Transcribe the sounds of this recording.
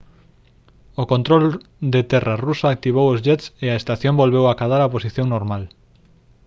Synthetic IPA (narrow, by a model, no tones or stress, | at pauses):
okont̪ɾold̪et̪ɛrarusaːk̚t̪iβ̞owozʎɛt̪seaest̪aθjõmbolβewakaðaɾaposiθjõŋnoɾmal